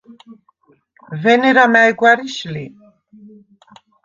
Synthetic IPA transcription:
vɛnɛɾamæjɡwaɾiʃli

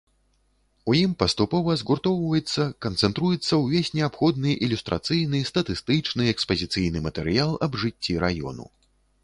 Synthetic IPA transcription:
ujimpɐst̪upɔvɐzɣurt̪ɔwvɐjɛt̪sːɐkɐnt̪sɛnt̪ɾujɛt̪sːɐwvʲesʲnʲɛapxɔd̪̚nɨʔilʲust̪ɾʔa̰t̪sɨjnɨst̪ɐt̪ɨst̪ɨt͡ʂnɨɛkspɐzʲit̪sɨjnɨmɐt̪ɛɾɨjalˠɐbʐɨt͡sʲːiɾajɔ̰nṵ

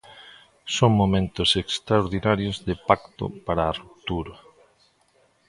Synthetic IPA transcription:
soŋmomẽnt̪osekst̪ɾaoɾðinaɾjozðepakt̪o̰paɾaːrup̚t̪uɾa

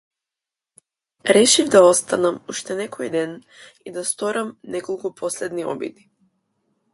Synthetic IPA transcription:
ɾɛʃivd̪aɔst̪anamuʃt̪ɛnɛkɔjd̪ɛn | id̪ast̪ɔɾamnɛkɔlˠkupʰɔslɛd̪niɔ̰bḭd̪i

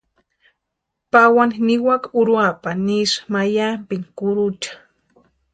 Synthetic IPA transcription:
pawannɪwakʊɾwapaniʃmajampɪnkʊɾʊt͡ʃḁ

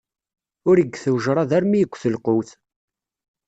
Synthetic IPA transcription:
ʊɾəɡθəwʒɾˤɑðæɾmijəkʷːθəlqʊθ

